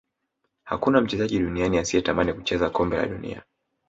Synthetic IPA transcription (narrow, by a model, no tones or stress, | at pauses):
ha̰kunam̩t͡ʃɛzaʄiɗunianiasiɛtamanikut͡ʃɛzakɔmbɛla̰ɗunḭa̰